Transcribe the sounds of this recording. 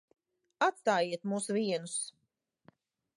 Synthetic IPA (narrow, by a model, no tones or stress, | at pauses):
at̪st̪aːjiɛt̪muːsuvʲiɛnus